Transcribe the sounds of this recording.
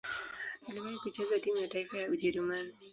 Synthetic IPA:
aliwaikut͡ʃɛzatimujataifajauʄɛɾumani

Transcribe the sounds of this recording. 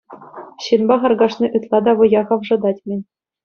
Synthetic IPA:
ɕɯnbɑχɑ̆rɡɑʂnʲiʔyt̪lˠɑd̪ɑʋɤ̆jɑʁɤ̆ʋʐɤ̆d̪ɑtʲmʲɘ̆nʲ

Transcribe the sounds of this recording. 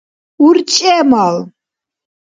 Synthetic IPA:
uɾt͡ʃʼɛmal

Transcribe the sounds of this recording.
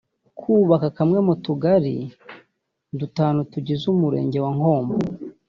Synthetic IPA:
kʰuːβakakamŋe̞mutuɡaɾḭ | dutaːnutuɟizumuɾe̞̰ːɲɟe̞waŋo̞ːmbo

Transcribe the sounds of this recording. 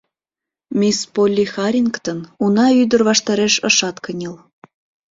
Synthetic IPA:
mʲispolʲːixɑɾʲinkt̪ənunɑyd̪ərβɑʃt̪ɑɾeʃəʃɑt̪kənʲəl

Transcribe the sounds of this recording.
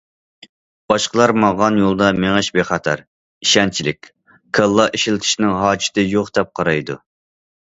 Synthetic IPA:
b̥ɑʃqəlˠɑɾmɑʁɑnjolˠd̪ɑmeŋɨʃbeχɑt̪ʰɑ̰ɾ | iʃɛnt͡ʃʰilɪkʲ | kʰəlˠːɑʔiʃilt̪ʰɪ̥ʃnɪŋɦɑːt͡ʃʰɪ̥t̪ʰɪjoχd̪ɛp̚qʰɑɾɑjd̪ṵ

